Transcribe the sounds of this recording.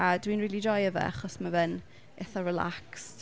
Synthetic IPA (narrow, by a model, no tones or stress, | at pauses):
adwinriːlˠid͡ʒɔjəvɛ̰a̰χɔsmavən | ɛθɔrɛla̰ks